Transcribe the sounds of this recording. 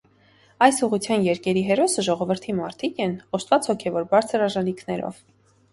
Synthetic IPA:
ɑjsuʁut͡sʰjɑnjɛɾkɛɾiɦɛɾɔsəʒɔʁɔvəɾt̪ʰimɑɾt̪ʰikɛnɔʃt̪vɑt͡shɔkʰɛvɔɾbɑɾt͡sʰəɾɑʒɑnikʰnɛɾɔ̰v

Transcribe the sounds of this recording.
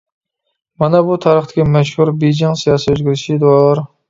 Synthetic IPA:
mɑnɛbut̪ʰɑɾəχt̪ʰɪ̥kʲimɛʃhuɾbejd͡ʒɪŋsijɑːsɨøzɡʲyɾɪʃid̪ɨwɑlˠɑɾ

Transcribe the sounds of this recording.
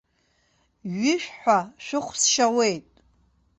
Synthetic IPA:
ɥɪʃᶣħʷaʃʷᶣɨχʷsʃawe̞jtʼ

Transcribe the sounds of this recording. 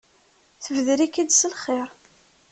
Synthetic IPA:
θəvðɾikid̪səlχeɾ

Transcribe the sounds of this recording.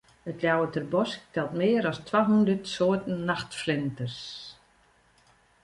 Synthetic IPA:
ətljawətɛrbɔsk̚tʰɛlˠtmɪːəɾɔstʰwaɦundərtsoːtən̩ːaxtflɪntərs

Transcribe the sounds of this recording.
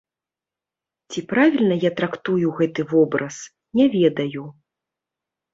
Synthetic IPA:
t͡sʲipɾavʲilʲnɐjat̪ɾakt̪ujuɣɛt̪ɨvɔbɾɐs | nʲɛvʲɛd̪ɐju

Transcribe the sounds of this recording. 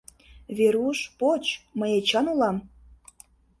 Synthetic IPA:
βeɾuʃpot͡ɕməjet͡ɕɑnulɑm

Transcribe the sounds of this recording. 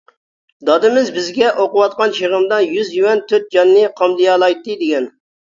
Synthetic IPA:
d̪ɑd̪ɨmɪzbɪzɡʲɛʔoqʊwɑt̪̚qɑnʃeʁɨmd̪ɑnjyzjywɛnt̪ʰøt̪̚d͡ʒɑnːɨqʰɑmd̪ɨjɑlˠɑjt̪ːɨd̪ɪɡʲɛn

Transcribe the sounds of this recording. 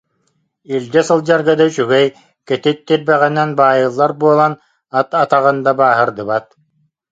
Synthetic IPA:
ild̪ɛsɯlˠd͡ʑaɾɡad̪ɯt͡ɕyɡɛj | kɛt̪it̪ːiɾbɛʁɛnɛnbaːjɯlˠːaɾbuɔlˠan | at̪at̪aʁɯnd̪abaːɦɯɾd̪ɯβat̪̚

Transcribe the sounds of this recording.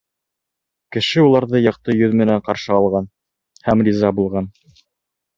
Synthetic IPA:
kɘ̆ʃɘulˠɑɾðɤjɑq̚t̪ɤjɵðmɘ̆næɴqɑɾʃɤɑlˠʁɑn | hæmrʲizɑbulˠʁɑn

